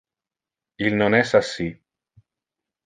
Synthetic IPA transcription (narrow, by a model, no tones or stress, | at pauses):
ilnonɛsasːi